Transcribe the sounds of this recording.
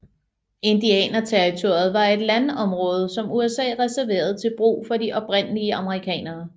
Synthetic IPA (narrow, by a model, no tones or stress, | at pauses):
e̝nd̥iɛ̰ːnɐt͡sʰeʁit͡sʰo̝ɐð̩ˠʋɑ̈e̝d̥lænɒ̽mʁɔ̽ːð̞ˠsɒ̽muesɛ̰ːʁɛsæɐʋe̝̰ːɐð̞̩ˠt͡sʰe̝lb̥ʁṵːfɒ̽diʔɒ̽b̥ʁen̰əliəʔɑ̈məʁikʰɛ̰ːnɐː